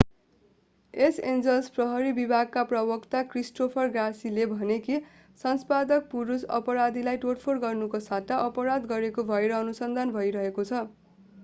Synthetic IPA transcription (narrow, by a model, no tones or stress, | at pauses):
esend͡zʌlsprʌɦʌɾibibʱaɡ̚kaprʌbʌkt̪akrisʈopʰʌrɡrasilebʱʌneki | sʌnspad̪ʌk̚puɾusʌ̰pʌɾad̪ilajʈoʈpʰorɡʌrnukosat̪aʔʌpʌɾad̪ɡʌɾekobʱʌeɾʌʌnusʌnd̪ʱanbʱʌjɾʌɦekot͡sʰʌ